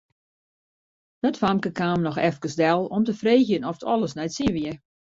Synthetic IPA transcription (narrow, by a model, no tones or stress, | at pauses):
dɔtfamkəkaːmnɔxɛfkəsdɛlˠɔmtəfreːxjənɔftʰɔ̰lˠəsnɛjtsiʋiə